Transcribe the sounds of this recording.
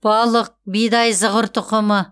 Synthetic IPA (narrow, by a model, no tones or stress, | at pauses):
b̥ɑlˠəq̚bijd̪ɑjzəʁəɾt̪ʊqəmə